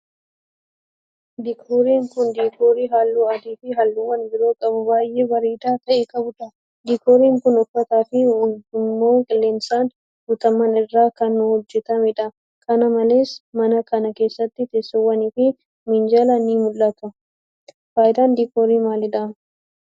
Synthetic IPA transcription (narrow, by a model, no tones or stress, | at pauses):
d̪iːkʰoːɾiːŋkʊnd̪iːkʰoːɾiːɦaːlːuːɐd̪iːfɪɦalːuwːɐnbɪɾo̞ːkʼɐbʊbaːjʔeːbɐɾiːd̪aːt̪ɐʔeːkɐbʊᶑ̪ɐ | d̪iːkoːɾiːŋkʊnɔkːɐt̪aːfɪwʊd̪ʊmːoːkʼɪlːeːnsaːn | ɡʊt̪ɐmːɐnɪrːaːkɐnːʊhɔd͡ʒːɛt̪ɐmɪᶑɐ | kʰɐnɐmɐle̞ːsmɐnɐkɐnɐke̞ːsːɐt̪ːɪt̪esːɛwːɐniːfɪ | mɪnd͡ʒalɐniːmʊlːɐt̪ɐ | faːjɪd̪aːnd̪iːkoːɾiːmaːlɪᶑɐm